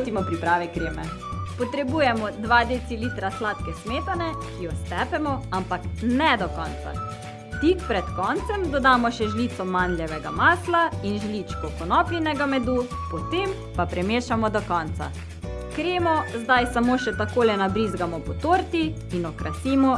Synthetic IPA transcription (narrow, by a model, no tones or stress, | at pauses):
t̪imɔpɾipɾaːʋɛkɾeːmɛ | pɔt̪ɾɛbuːjɛmɔd̪ʋaːd̪esiliːt̪ɾaslaːt̪kɛsmeːt̪anɛkijɔst̪ɛpɛmɔampaknɛd̪ɔkɔnt̪sa̰ | t̪ikpɾɛt̪kɔːnt̪sɛmd̪ɔd̪aːmɔʃɛʒliːt̪sɔmanljɛʋɛɡa̰maːslainʒliːt͡ʃkɔpɔnɔplʲinɛɡamɛd̪u | pɔt̪eːm | papɾɛmeːʃamɔd̪ɔkɔnt̪sa̰ | kɾeːmɔzd̪ajsamoːʃɛt̪akoːlɛnabɾiːzɡamɔpɔt̪oːɾt̪iː | nɔkɾasiːmɔ